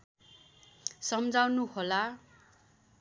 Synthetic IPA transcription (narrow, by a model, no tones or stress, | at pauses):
sʌmd͡zawnuhola